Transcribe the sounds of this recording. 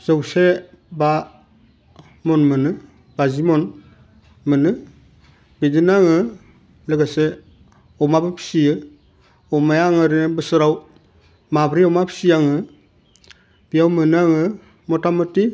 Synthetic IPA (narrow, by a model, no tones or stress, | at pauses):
z̥awse | ba | mɔnmɯnɯ | bazimɔn | mɯnɯ | bidinaŋɯ | lɯɡase | ɔmabɯpʰi̥sijɯ | ɔmajaŋɯɾibɯsɯɾaw | mabɾiɔmapʰi̥sijaŋɯ | b̥iawmɯnɯaŋɯ | mɔtamɯti